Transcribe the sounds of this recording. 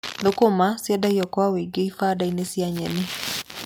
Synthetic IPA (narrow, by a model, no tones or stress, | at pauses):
ðokomasjɛdaiɔkwaweɡeifaːdainesiaɲɛne